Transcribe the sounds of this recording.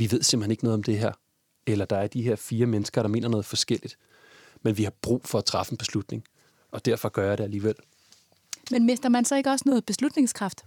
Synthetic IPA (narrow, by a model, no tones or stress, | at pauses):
ʋiʋe̝ð̞̰ˠsemb̥l̩heneɡənɔ̽ð̩ˠɒ̽md̥e̝ɦæɐ̰ | elɐd̥ɑ̈æɐd̥iɦe̝ɐfiːɐmenəsɡ̥ɐɾ̥ɑ̈me̝̰ːnɐnɔ̽ːð̩ˠfɒ̽sɡ̥el̰id̥ | menʋihɑ̈b̥ʁṵːfɒ̽æt͡sʰʁɑ̈fən̩b̥e̝slud̥ne̝ŋ | ʔɒ̽d̥æɐ̰fɒ̽ɡ̥ɶɐjɑɾe̝æliːʋel̰ | menme̝sd̥ɐmænsɒ̽e̝ɡ̥əɒ̽snɔ̽ːð̞̩ˠb̥e̝slud̥ne̝ŋskʰʁɑ̈fd̥